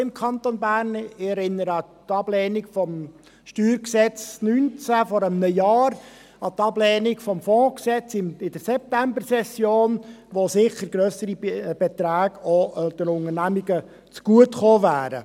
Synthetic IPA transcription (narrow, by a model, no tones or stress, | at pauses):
ɪmkʰɑnt̪onbæːɾnɪɛɾɪnːəɾəɑtɑb̥lɛːnikfɔm | ʃtyːɾksɛt͡snynt͡sæfɔɾəmnəjɑːɾ | ɑt̪ɑblɛːnikfɔmfɔ̃ːksɛt͡sɪmɪd̥əɾsɛp̚t̪æmbərsɛsjoːnʋosɪχəɾɡɾœsəɾib̥ɛt̪ɾæːɡod̪əɾʊŋənæmiɡə | t͡sɡ̥uətχoːvæːɾə̰